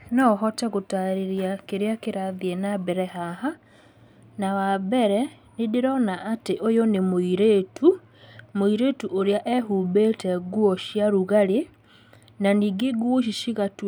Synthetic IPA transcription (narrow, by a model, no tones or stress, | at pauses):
nɔɦɔtɛɣotaɾeɾiakeɾeakeɾaðiɛnabɛɾɛɦaɦa | nawabɛɾɛ | nedeɾɔnaʔːteʔojonemoiɾetʰu | moiɾetuʔoɾeaʔɛɦuːbetɛɡuɔʃiaɾuɣaɾe | naniːɡeɡuoʃ̬iʃiɣatu